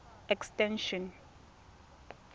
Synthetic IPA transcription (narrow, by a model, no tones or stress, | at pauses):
ɛkstɛ̃nʃɔ̃n